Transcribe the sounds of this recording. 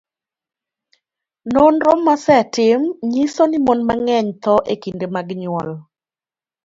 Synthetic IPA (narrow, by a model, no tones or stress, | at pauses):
nonɾɔmːasɛtɪmɲisonimonmaŋɛɲt̪ɔʔekindemaɡɲʊɔl